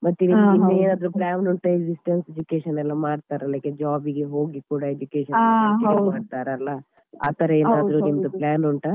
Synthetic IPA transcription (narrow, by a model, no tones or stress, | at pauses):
mɐt̪ːuiminːeeːnaːd̪ɾuplaːnuɳʈɐeɡsisʈensed͡ʒukeːʃɐnːɛlːɐmaːɖt̪aːɾɐlːeːked͡ʒaːbiɡeɦoːɡikuːɽɐed͡ʒukeːʃɐnnemaːɖt̪aːɾeɐlːɐ | a̰ːt̪ɐɾɐeːnaːd̪ɐɾunimɐd̪uplaːnuɳʈɐ